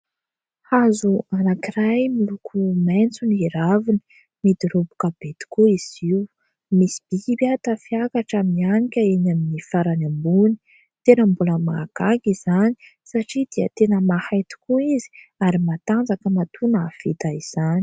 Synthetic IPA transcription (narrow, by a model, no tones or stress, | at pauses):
hazuanakiɾajmilukʰument͡suniɾavinə̥ | mid̪iɾobu̥kabet̪i̥kuiz̥iw | misi̥b̥iibat̪afiakaʈ͡ʂamianikʲəenaminifaɾanambuni̥ | t̪enəmbuləmaɡ̥aɡizani̥ | saʈ͡ʂid̪iə̰t̪enəmahajt̪i̥kuizi̥aɾimat̪and͡zakəmat̪ʰunaav̥it̪aiz̥ani̥